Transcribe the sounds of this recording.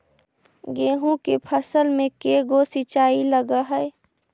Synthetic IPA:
ɡeːɦũkepʰəsəlmẽkeɡosɪt͡ʃaːiləɡaɦɛː

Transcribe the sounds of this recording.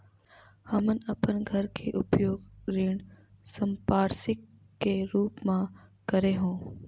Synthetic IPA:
həmənəpənɡʱəɾkʰeːʔʊpjoːɡɾɪːɳ̃ | səmpaːɾsɪkː | eːɾuːpmãkəɾeːɦũː

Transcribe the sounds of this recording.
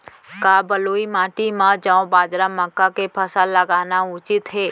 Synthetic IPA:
kaːbəloːimãːʈimãd͡ʒãːõbaːd͡ʒɾaməkːakepʰəsalːəɡaːnaʊt͡ʃɪt̪ɦeː

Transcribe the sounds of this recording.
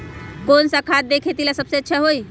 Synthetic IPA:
konsakʰad̪̚d̪ekʰet̪ilasəbseətːʃʰɛɦoi

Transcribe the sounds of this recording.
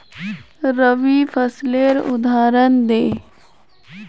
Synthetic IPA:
ɾəʋipʰəsleɾʊ̰d̪aːɾənd̪eː

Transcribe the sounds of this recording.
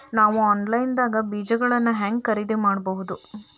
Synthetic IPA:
naːʋuaːnlɐjnd̪aːɡɐbiːd͡ʒɐɡɐɭɐnːɐɦaːŋɡkɐɾid̪emaːɖbɐɦud̪u

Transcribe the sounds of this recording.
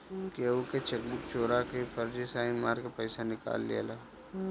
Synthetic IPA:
keːuket͡ʃek̚bʊkt͡ʃoːɾakepʰəɾd͡ʒisaːɪnmaːɾkepəɪsanɪka̰ːlːḛːlaː

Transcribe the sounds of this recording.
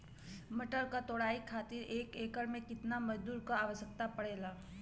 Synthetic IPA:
məʈəɾkat̪oːɽaːikʰaːt̪ɪɾeːkeːkəɾmẽkɪt̪namɐd͡ʒd̪uːɾkaaːʋəʃjək̚t̪apɐɽeːlaː

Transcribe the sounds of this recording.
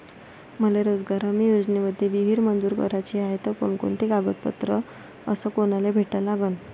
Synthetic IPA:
m̤əleɾod͡zɡaɾəmiːjod͡zneməd̪ʱːjeʋiɦiːɾmənd͡zuːɾkə̰ɾat͡ɕiajt̪əko̰ɳko̰ɳt̪ikaɡət̪̚pə̰t̪ɾə | əsəkonalebʱeʈəlaɡən

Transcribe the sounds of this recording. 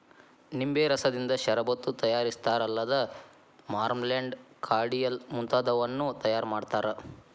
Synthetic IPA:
nimbeːɾɐsɐd̪ind̪ɐʃɐɾɐbɐt̪ːut̪ɐjaːɾist̪aːɾɐlːɐd̪ɐ | maːɾmleɳɖ | kʰaːɾɽijɐlmunt̪aːd̪ɐʋɐnːut̪ɐjaːɾmaːɖt̪aːɾɐ

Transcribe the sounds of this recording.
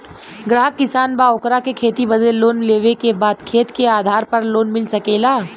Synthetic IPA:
ɡɾaːɦəkːɪsaːnbaːokɾakekʰeːt̪ibɐd̪eloːnleːʋekebaːd̪kʰeːt̪keaːd̪ʱaːɾpɐɾloːnmɪlsɐkeːlaː

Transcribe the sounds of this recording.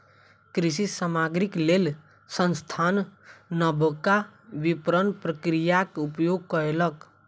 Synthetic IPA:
kɾisisamaɡɾiklel | sənst̪ʰanːəbʱəkabipɾənpɾəkɾijakupjoɡ̚kəɾelək

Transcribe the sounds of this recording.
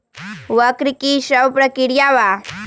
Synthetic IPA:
ʋəkɾikiɕəwpɾəkiɽjaʋa

